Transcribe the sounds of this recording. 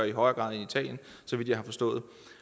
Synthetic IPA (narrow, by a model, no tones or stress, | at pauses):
iɦɒ̽ɪɐɡ̥ʁɑ̈ð̩ˠiit͡sʰɛ̰ːljən | sɒʋid̥jɑɪhɑ̈fɒ̽sd̥ɔ̽ːð̞̩ˠ